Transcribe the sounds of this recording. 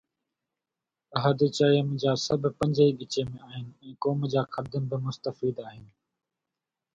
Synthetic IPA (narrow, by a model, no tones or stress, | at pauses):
ɐɦəd̪it͡ɕaːijəmd͡ʑaːsɐbʱpɐ̃ɲd͡ʑəiːɠɪt͡ɕemẽaːɦɪnɪ̆ɛ̃ːkoːmd͡ʑaːkʰɐd̪ənbɪmʊst̪əfiːd̪aːɦɪnɪ̆